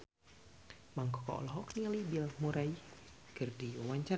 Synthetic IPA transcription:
maŋkɔkɔ̰ʔɔ̰lɔɦɔknialibilmuɾaikɨrdiwawaɲt͡ʃa

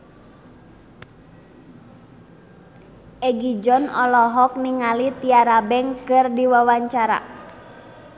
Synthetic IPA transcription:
ʔɛɡid͡ʒɔnɔlɔɦɔk̚niŋalit̪iaɾabɛŋkɨrdiwawaɲt͡ʃaɾa̰

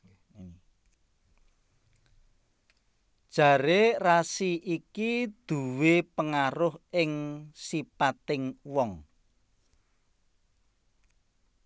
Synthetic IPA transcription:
d̥ʒ̥ä̤ɾerasiʔikid̪̥ṳwepəŋaɾʊhʔɪŋsipat̪ɪŋwɔŋ

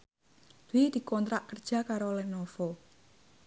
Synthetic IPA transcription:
d̪̥wid̪̥i̤kɔnt̪ɾaʔkərd̥ʒ̥a̤kaɾolɛnofo

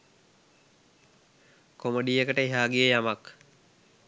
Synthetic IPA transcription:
komoɖijəkəʈəeɦaːɡijəjamak

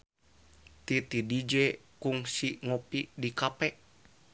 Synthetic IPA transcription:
t̪it̪idid͡ʒɛ | kuŋsiŋopidikapɛʔ

